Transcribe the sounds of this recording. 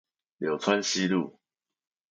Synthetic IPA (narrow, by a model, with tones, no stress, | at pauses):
ljo˨˩ʊt͡sʰwa˦nɕi˦lṵ˥˨